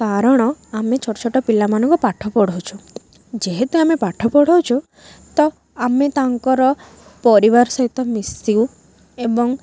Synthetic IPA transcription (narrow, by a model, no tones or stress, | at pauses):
kaɾɔɽ̃ɔamet͡ʃʰɔʈɔt͡ʃʰɔʈɔpilamanɔŋkupaʈʰɔpɔɽ̤ɔɦut͡ʃʰu | d͡ʒeɦet̪uamepaʈʰɔpɔɽ̤ɔɦut͡ʃʰu | t̪ɔ | amet̪aŋkɔɾɔ | pɔɾibaɾsɔɦit̪ɔmisiw | ebɔŋ